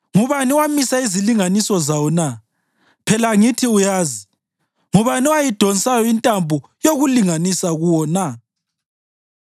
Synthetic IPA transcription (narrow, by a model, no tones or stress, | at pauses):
ŋuβaniwamisaiziliŋanisɔzawɔna | pʰɛlaŋitʰiujaːzi | ŋuβaniwajid̥ʱɔnsʼajɔintʼambʱujoɣuliŋanisaɣuwɔna